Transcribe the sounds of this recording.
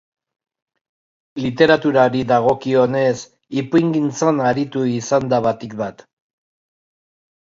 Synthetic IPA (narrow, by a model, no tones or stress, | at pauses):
lit̪e̞ɾat̪uɾaɾiðaɣo̞kio̞ne̞s | ipujŋɡint͡sanaɾit̪uisand̪aβat̪ikbat̪